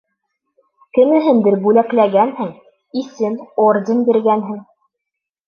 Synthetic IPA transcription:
kɘ̆nɘ̆ɦɘnd̪ɘɾbʉlæklæɡænhɘŋ | isɘmord̪ʲɘnbiɾɡænɦɘŋ

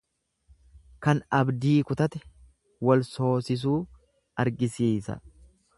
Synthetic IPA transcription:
kɐnɐbd̪iːkʊt̪ɐt̪ɛ | wɐlso̞ːsɪs̬uː | ɐɾɡɪsiːsɐ̰

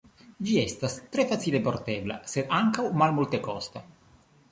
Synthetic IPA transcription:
d͡ʒiɛst̪ast̪ɾɛfasiːleport̪ɛvla̰seaŋkawmalmult̪ekɔst̪a

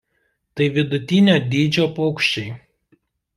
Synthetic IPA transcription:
t̪ɐɪʋʲɪd̪ʊt̪ʲɪnʲoːd̪ʲiːd͡ʒʲoːpɔːkʃʲt͡ʃʲɛɪ

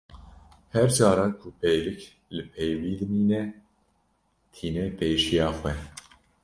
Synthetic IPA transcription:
hɛɾd͡ʒɑːɾɑːkʰʊpʰejlɨk | lɨpʰɛjwiːd̪ɨmiːnɛ | t̪ʰiːnɛpʰeːʃijɑːxwɛ

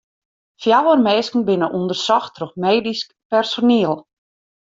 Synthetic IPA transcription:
fjawərmeːskən̩bɪnəʔundərsɔxtʰroxmeːdisk | pɛrsoniəlˠ

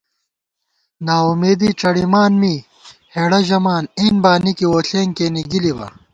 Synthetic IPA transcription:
naːumeːd̪iʈ͡ʂɐɽimaːnmiː | heːɽɐʑɐmaːniːnbaːnikiwoːɬeːŋkeːniɡilibɐ̰

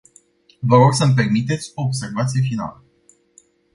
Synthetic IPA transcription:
vəɾo̞ɡsəmp̬e̞rmit̪e̞t̪sʲo̞ːbse̞rvat̪sije̞fina̰lə

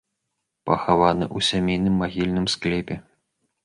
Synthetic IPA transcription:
pɐxavanɨʔusʲamʲejnɨmːaɣʲilʲnɨmsklʲɛpʲɛ

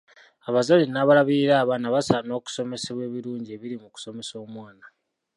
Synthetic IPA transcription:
aβazaɾinaβalaβiɾiɾaːβanaβasano̞ːku̥so̞me̞seβwe̞ːβiɾuːɲɟie̞βiɾimuku̥so̞me̞so̞ːmwaːna

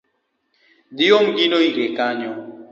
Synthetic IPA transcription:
dijoŋɡinoiɡekaɲɔ

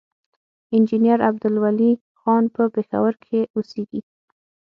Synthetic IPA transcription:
ɪnd͡ʒinjaɾab̚d̪ʊlwali | xɑnpəpexa̰wəɾkʰeoseɡi

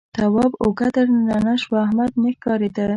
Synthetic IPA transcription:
t̪awɑboɡad̪əɾnanaʃwahmad̪nexkɑɾed̪ə

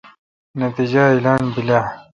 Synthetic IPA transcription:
nɐt̪id͡ʑailaːnbila

